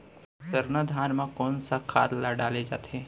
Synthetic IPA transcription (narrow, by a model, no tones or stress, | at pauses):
səɾnad̪ʱaːnmãkoːnsakʰa̰ːt̪laɖaːled͡ʒa̰ːt̪ɛ